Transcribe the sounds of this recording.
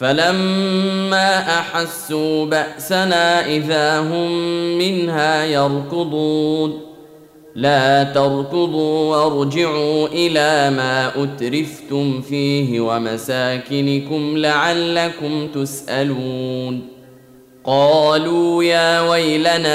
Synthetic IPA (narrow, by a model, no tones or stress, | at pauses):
falamː | aːʔaħasːuːbaʔsanaːʔɪðaːɦʊmːɪnɦaːjɑɾˤkʊd̪ˤuːn | laːt̪ɑɾˤkʊd̪ˤuːwɑɾˤd͡ʒɪʕuːʔɪlaːmaːʔʊt̪ɾɪft̪ʊmfiːhɪwamasaːkɪnɪkʊmlaʕalːakʊmt̪ʊsʔaluːn | qɑːluːjaːwajlanaː